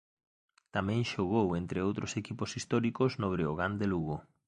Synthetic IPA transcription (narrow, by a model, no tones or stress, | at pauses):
t̪amɛ̃ŋʃoɣowent̪ɾeowt̪ɾosekiposist̪ɔɾikoznoβ̞ɾeoɣand̪eluɣo